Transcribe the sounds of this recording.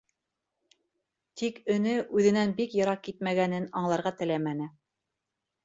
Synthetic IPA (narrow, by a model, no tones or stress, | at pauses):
t̪ikɵ̆nɘʔʉðɘ̆nænbikjɤ̆ɾɑq̚kːit̪̚mæɡænɘnɑɴlˠɑɾʁɑt̪ɘ̆læmænɘ